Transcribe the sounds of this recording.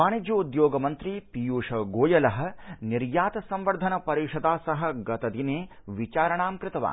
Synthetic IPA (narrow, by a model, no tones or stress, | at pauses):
aːɳid͡ʒ̪jɐud̪joːɡɐmɐnt̪ɾipijuːʂɐɡoːjɐlɐɦɐ̆niɾjaːt̪ɐsɐmʋɐɾd̪ʱɐnɐpɐɾiːʂɐd̪aːsɐɦɐ̆ɡɐt̪ɐd̪ineː | ʋit͡ʃaːɾɐɳaːmkɾɪt̪ɐʋa̰ː